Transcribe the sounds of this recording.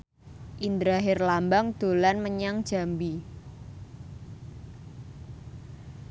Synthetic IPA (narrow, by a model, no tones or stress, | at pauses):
ʔind̪ɾaɦɪrlambaŋd̪̥o̤lanməɲaŋd̥ʒ̥a̤mbi